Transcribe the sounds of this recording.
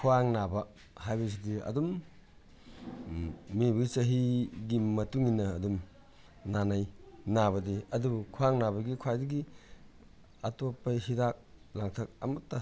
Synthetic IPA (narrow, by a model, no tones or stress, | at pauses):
kʰuaŋnabɐ | hajbɐs̬idiɐ̰dum | mibɐit͡ʃɐɦiɡimɐtuŋinɐːdum | nanajnabɐdiɐdubukʰuaŋnabɐɡikʰwajdiɡi | ɐtopːɐɦidak̚laŋtʰɐk̚ɐ̰mɐtːɐ